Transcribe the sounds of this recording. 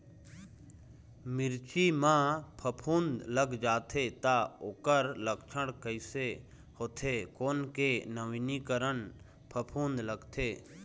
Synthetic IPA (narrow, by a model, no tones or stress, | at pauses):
mɪɾt͡ʃimãpʰəpʰũːnd̪ləɡd͡ʒaːt̪ʰet̪aoːkəɾləkt͡ʃʰəɽkəɪse | hoːt̪ʰeːkoːnkenəʋinikəɾən | pʰəpʰũːnd̪ləɡt̪ʰeː